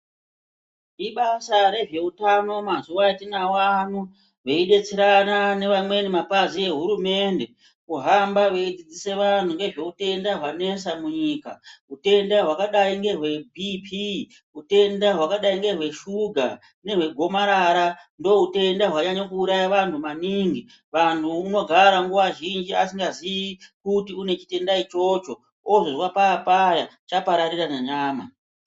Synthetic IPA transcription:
iɓasaɾe̞ʐe̞utano̞mazuwaitinawan̤u | ʋeiɗe̞t͡seɾanane̞ʋamwe̞nimapazie̞ɦuɾume̞nde̞ | kuɦambaʋe̞id͡zid͡zise̞ʋan̤uŋɡe̞ʐe̞ute̞ndaɦwane̞samuɲiːka̰ɦute̞ndaɦwakaɗaiŋɡe̞rwe̞bʱipʰi | ɦute̞ndaɦwakaɗaiŋɡe̞rwe̞ʃuɡʱa | ne̞ɦwe̞ɡʱo̞maɾaɾando̞ɦute̞ndaɦwaɲaɲakuːɾajaʋantʰumaniːŋɡi | ʋantʰuːno̞ɡʱaɾaŋɡuʋaʒind͡ʒiasiŋɡaziikutiune̞t͡ʃi̥te̞ndait͡ʃo̞t͡ʃo̞ | ozoʐwapaːpajat͡ʃapaɾaɾiranaɲaːma̰

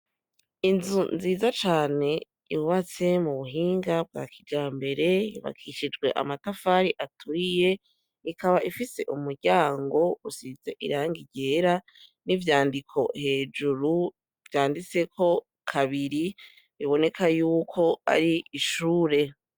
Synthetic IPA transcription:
inzunziːzat͡ʃaːne̞ | jiuβat͡se̞muβuɦiːŋɡab̚ɡa̰ːkʰiɡaːmbe̞ɾe̞jḭβa̰kʰiʃid͡ʒɡwe̞ʔa̰matafaːɾiʔatʰuije̞ | ikaβaʔifise̞̰ʔumuɾɟaːŋɡo̞usize̞ʔḭɾaːŋɡiɟe̞ɾa | nivjaːndikʰo̞he̞ːd͡ʒuɾu | vjaːndit͡se̞kʰo̞ | kʰaβiɾi | βiβo̞ne̞kʰajuːkʰo̞a̰ɾiʔiʃuːɾe̞

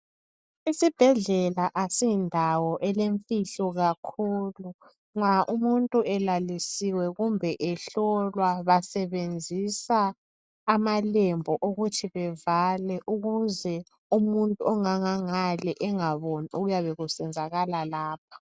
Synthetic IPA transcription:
isib̥ʱɛɮɛlaʔasindʱawɔʔɛleɱfiɬɔɣakʰuːlu | ŋaʔumuntʼuɛlalisiwɛɣumbʱɛʔɛɬɔlwaβasɛβend͡zʱisaː | malembʱɔʔoɣutʰiβɛvalɛʔuɣuzɛ | umuntʼuɔŋaŋaŋalɛʔɛŋaβɔniʔuɣujaβɛɣusɛnd͡zʱaɣalalaːp̚ʰḁ

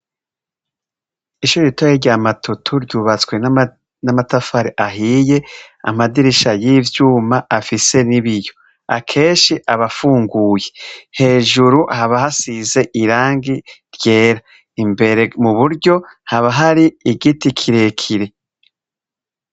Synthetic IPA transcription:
iʃuːɾiitojeɾɟaːmatʰutʰuɾɟuːβat͡swe̞n | namatafaɾeʔaɦiːje̞a̰madiɾiʃajivjuːmaafise̞niβijo̞ | a̰kʰe̞ːnʃiʔaβafuːŋɡuːje̞he̞ːʒuɾuhaβahasize̞ʔiɾaːŋɡiɾje̞ːɾa | imbe̞ɾe̞muβuɾɟo̞haβaɦaɾiiɡitikʰiɾe̞kʰiɾe̞

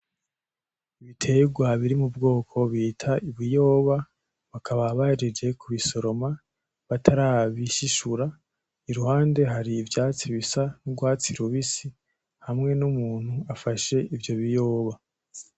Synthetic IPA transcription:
iβitʰe̞ɡwaβiɾimubɡo̞ːkʰo̞βiːtʰaʔiβijo̞ːβa | βakʰaβaβahiɾid͡ʒe̞kʰuβiso̞ɾo̞ma | βatʰaɾaːβiʃiʃuɾa | iɾuhaːnde̞ɦaɾivjaːt͡siβisanuɡwaːt͡siɾuβisi | hamŋe̞numuːn̥huafaʃe̞ʔivjo̞βijo̞ːβa

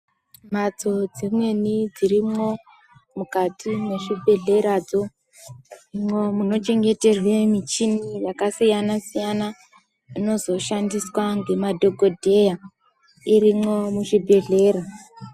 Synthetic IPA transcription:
mat͡so̞d͡zimwe̞nid͡ziɾimo̞ | mukatʰime̞ʐibʱe̞ɮe̞ɾad͡zo̞ | imwo̞muno̞t͡ʃe̞ŋɡe̞te̞rwe̞mit͡ʃinijakasijanasijana | ino̞zo̞ʃandiswaŋɡe̞madʱo̞ɡʱo̞dʱe̞ja | irimo̞muʐibʱe̞ɮe̞ːɾa

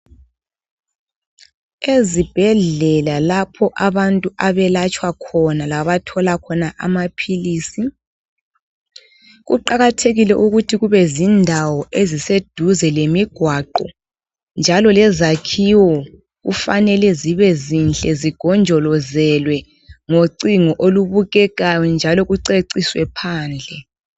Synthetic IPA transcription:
ezib̥ʱɛɮɛlalapʰɔʔaβantʼuʔaβɛlat͡ʃʼwakʰɔnalaβatʰɔlakʰɔnaʔa̰mapʰiliːsi | ɣṵǃaɣatʰeɣilɛʔuɣutʰiɣuβɛzindʱawɔʔezised̥ʱuzɛlemiɡ̥ʱwaǃɔ | nd͡ʒʱalɔlɛzakʰiwɔ | ɣṵfanɛlɛziβɛzint͡ɬʼɛziɡ̥ʱɔnd͡ʒʱɔlɔzɛlwɛ | ŋoǀiŋɔʔoluβuɣɛɣajɔnd͡ʒʱalɔɣuǀeǀiswɛpʰaːnd͡ɮʱɛ

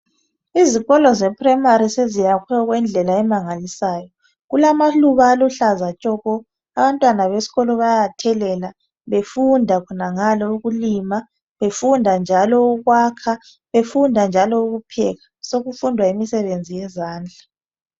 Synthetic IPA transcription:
iziɣɔlɔzɛpʰʼrɛmaɾisezijakʰwɛɣwɛnd͡ɮʱɛlaɛmaŋalisaːjɔ | ɣulamaɬuβaːluɬazat͡ʃʼɔɣɔ | aβantʼwanaβesi̥ɣɔlɔβajatʰɛlɛla | βefundʱakʰɔnaŋalɔuɣulima | βefundʱand͡ʒʱalɔuɣwakʰa | βefundʱand͡ʒʱalɔuɣupʰɛɣasoɣufundʱwaimisɛβend͡zʱijɛzaːnd͡ɮʱa

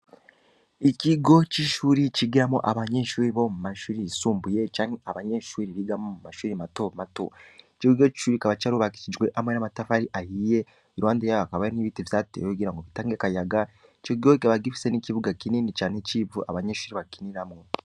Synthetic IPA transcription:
iciɡo̞t͡ʃiʃuːɾiciɡiɾamo̰ʔaβaɲeʃuːɾiβo̞mumaʃuːɾisuːmbuje̞t͡ʃaːŋweaβaɲeʃuːɾiβiɡamomumaʃuːɾimatomato̰it͡ʃiɡiɡot͡ʃi̥ʃuːɾikaβat͡ʃaɾuβaki̥cid͡ʒwe̞ʔamwenamatafaɾiʔahije | iɾwaːndejaakaβaeniβitivjaːtḛjoiɡiɾaŋɡoβitaːŋɡekajaɡa | t͡ʃokiɡokaβaɡifi̥seniciβuɡakininit͡ʃaːnecivuʔa̰βaɲeʃuːɾiβakininamŋo

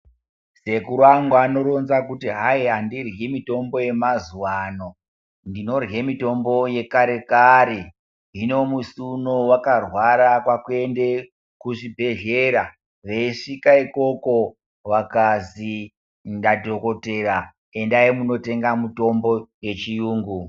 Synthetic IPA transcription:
se̞kuɾwaŋɡwano̞ɾo̞nzakutiɦaiɦandirɣimito̞mbo̞je̞mazuwano̞ | ndino̞rɣemito̞mbo̞je̞kaɾe̞kaɾe | ino̞musunowakarwaɾakwakue̞nde̞ | kuʐibʱe̞ɮeɾa | ʋe̞iʂikaiko̞ko̞ | wakazi | ndadoko̞te̞ra | e̞ndaimuno̞te̞ŋɡamuto̞mbo̞je̞t͡ʃijuːŋɡu

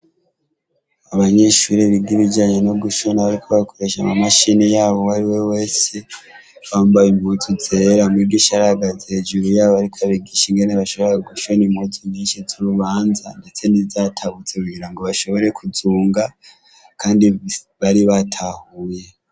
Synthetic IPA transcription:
aβaɲe̞ʃuɾiβiɡiβid͡ʒaɲenoɡuʃo̞naβaɾiko̞βako̞ɾe̞ʃamamaʃinijaːβo̞βaɾiwe̞we̞ːse̞ | βaːmbajimutʰuze̞ɾamiɡiʃaɾaɡazhed͡ʒuɾujaːβoaɾikʰaβiɡiʃiŋɡe̞neβaʃo̞βoɾaɡuʃo̞nimotʰuɲiːnʃizuɾuβaːnzande̞t͡se̞nizatʰaβut͡sekuɡiɾaŋɡo̞βaʃo̞βo̞ɾe̞kuzuːŋɡa | kʰaːndiβaɾiβatʰahuːje

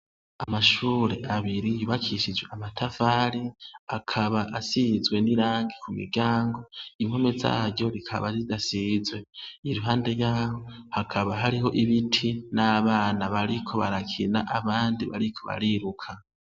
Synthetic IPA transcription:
amaʃuːɾe̞ʔaβiɾijuβakʰiʃid͡ʒweamatʰavaɾiakʰaβaʔasizɡwe̞niɾaːŋɡekumḭɾɟaːŋɡo̞imhomeza̰ːɾɟo̞ɾikʰa̰βazidasizwe̞iɾuɦaːnde̞jaːho̞hakʰaβaɦaɾiɦo̞ʔiβitʰinaβaːnaβaɾikʰo̞βaɾakʰinaʔaβaːndiβa̰ɾikʰo̞βa̰ɾiɾukʰa

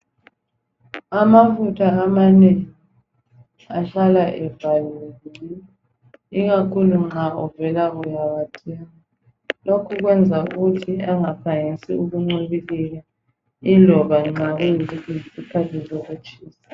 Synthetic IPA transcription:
amafutʰaːmaneŋi | aɬalaʔɛvalilii | iɣakʰuluŋ͡ǁaɔvɛlaɣujaβatʰʼɛŋa | lokʰuɣwɛnd͡zʱauɣutʰiaŋapʰaŋisḭuɣuŋ͡ǀuβiliɣa | ilʱɔβaŋ͡ǀaɣujizikiisikʰatʰizɔɣut͡ʃʼiːsḁ

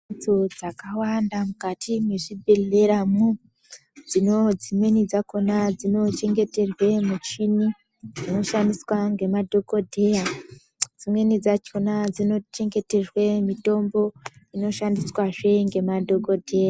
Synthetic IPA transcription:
d͡zod͡zakawandamukatʰimweʐibʱeɮe̞ɾamu | d͡zino̞d͡zimwe̞nid͡zakonad͡zino̞t͡ʃe̞ŋɡe̞te̞rwe̞mut͡ʃini | d͡zino̞ʃandiswaŋɡe̞madʱo̞ko̞dʱe̞ja | d͡zimwe̞nid͡zat͡ʃonad͡zino̞t͡ʃe̞ŋɡe̞te̞rwe̞mito̞mbo̞ino̞ʃandiswaʐe̞ŋɡe̞madʱo̞ko̞dʱe̞ja

